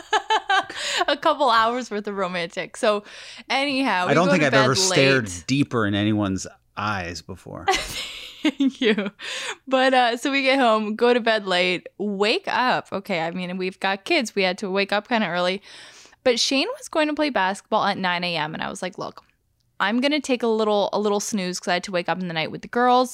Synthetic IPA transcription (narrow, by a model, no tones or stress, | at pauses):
əkʰʌpl̩ˠaʊə˞zwɨðɨɹoʊmæ̃ntʰɨksoʊɛniɦaʊɪdõʊ̃noθɪ̃kaɪɛvə˞dˡlsleɛɹdipə˞ɨ̃nɛniwʌ̃nz | ʔa̰ɪzbəfɔ̰ɹθææŋkʰjʉ | b̥ʌɾʌsoʊwiɡɛt̚hõʊ̃mɡoʊɾɨbɛdˡleɪt̚weɪkʌpʰo̰ʊkʰeɪaɪmĩnwivɡɑt̚kʰɪdzwiɨd̚tʰɨweɪkʌp̚kʰãɪ̃ndɨɜ˞lˠib̥ʌtʃẽɪ̃nwʌzɡoʊɪ̃ŋtʰɨpʰl̥eɪbæskət̚b̥ɔlˠətⁿnãɪ̃neɪɛ̃mɨ̰̃ña̰ɪwʌzlaɪklʊ̰k | ʔãɪ̃mɡʌnɨtʰeɪkəlɪɾl̩ˠə̰lɪɾl̩ˠsnʉz̥kʰʌzaɪd̚tʰəweɪkʌpn̩ðɨnaɪʔ̚wɨðɨɡɜ˞lˠz̥